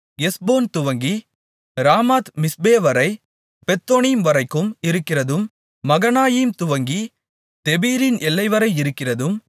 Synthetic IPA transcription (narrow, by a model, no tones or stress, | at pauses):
jɛsboːnt̪ʊʋɐŋɡi | ɾaːmaːt̪mɪsbeːʋɐɾɐɪ | pɛt̪ːoːnimʋɐɾɐɪkːɯmɪɾɯkːɪrɐðɯmː | ɐɣɐnaːjimt̪ʊʋɐŋɡi | t̪ɛbiːɾɪnɛlːɐɪʋɐɾɐɪɪɾɯkːɪrɐðɯm